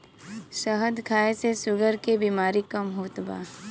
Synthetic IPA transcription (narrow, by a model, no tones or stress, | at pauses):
ʃəɦəd̪kʰaːesesʊɡəɾkebiːmaːɾikamɦuːt̪ba̰ː